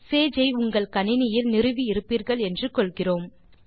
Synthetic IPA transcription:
seːd͡ʒɐɪʊŋɡɐɭkɐnɪnɪjɪlnɪɾɯʋiɪɾɯpːiːɾɣɐɭɛndrɯkɔlɣɪroːm

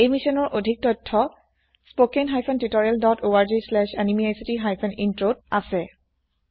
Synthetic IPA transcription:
ejmisɔnɔɹʔodʱik̚tɔtʰːɔ | spokenɦajpʰɔntitɔɹialdɔtʰoaɹzislɛʃanimiajsitiɦajpʰɔnintɹod̚asɛ

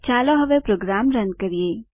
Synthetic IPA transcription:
t͡ʃaːloɦɐʋepɾoːɡɾaːmɾɐnkɐɾieː

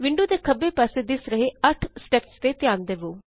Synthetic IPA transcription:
ʋɪ̃ɳɖuːd̪eːkʰəbeːpɛːseːd̪ɪsɾəɦeːəʈʰsʈɛːpst̪eːt̪ɪjaːnd̪eːʋoː

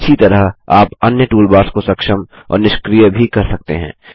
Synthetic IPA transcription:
ʃʰit̪ɐɾəɦaːpɐnjəʈuːlbaːɾskosɐkʃəm | ɔ̰ːɾnɪʃkɾijəbʱikɐɾsɐk̚t̪ḛɦɛ̰̃ː

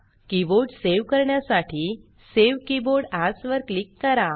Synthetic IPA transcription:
kiboɽseʋkəɾɳjasaʈʰiː | seʋkiboɽasʋəɾklikːəɾa

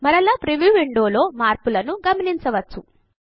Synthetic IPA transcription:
mɐɾɐlɐpɾiʋjuːʋiɳɖoːlo̞ːmaːɾpulɐnuɡɐmɐniɲt͡ʃɐʋɐt͡ʃːu

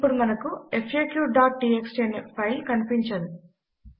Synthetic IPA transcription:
puɾmɐnɐkuepʰeːkjuːɖaːʈ̚ɖieksʈenipʰɐjlkɐnipiɲt͡ʃɐɾu

